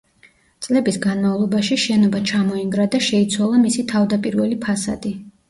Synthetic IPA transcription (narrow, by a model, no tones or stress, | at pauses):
t̪sʼlɛbisɡanmavlˠɔbaʃiʃɛnɔbat͡ʃʰamɔiŋɡɾad̪aʃɛit̪sʰwalˠamisit̪ʰavd̪apʼiɾvɛlipʰasa̰d̪̥i